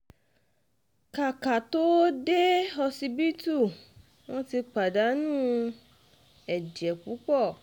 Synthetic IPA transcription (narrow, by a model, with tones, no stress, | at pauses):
ka˨ka˨to˦de˦ɔ˧si˧bi˦tu˦˨ | wɔ̃˦ti˧k͡pa˨da˨˦nũː˦ | ɛ˨d͡ʒɛ˨k͡pu˨˦k͡pɔ˦˨